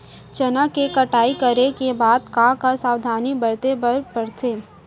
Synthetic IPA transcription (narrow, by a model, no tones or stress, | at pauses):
t͡ʃɐnakekɐʈaːikɐɾekebaːd̪kaːkasaːwd̪ʱaːnibɐɾt̪epɐɽt̪ʰeː